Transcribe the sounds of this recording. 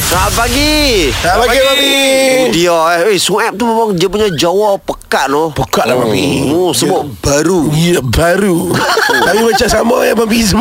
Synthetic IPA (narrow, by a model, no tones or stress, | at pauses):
sapaɡisapaɡiaiidioesuɛp̚t̪umemaŋdiapuɲad͡ʒawɔpəkaʔlʊhpəkaʔlama̰pḭosəbab̥aɾuijabaɾu | amimat͡ʃaʔsamaamapism